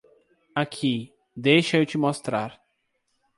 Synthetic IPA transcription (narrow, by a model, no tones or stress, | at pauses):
akʰi | d̪ejʃɐewt͡ʃɪmost̪ɾaɾ